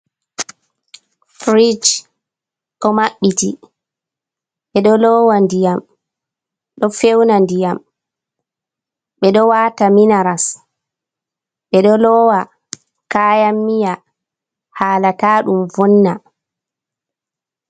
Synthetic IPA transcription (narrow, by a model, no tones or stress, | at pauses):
fɾid͡ʒ | kɔmaɓːiti | ɓɛɗɔlɔːwandijam | ɗɔfewnandijam | ɓɛɗɔwaːtaminaɾas | ɓɛɗɔlɔːwa | kaːjamːija | haːlataːɗumvɔnːa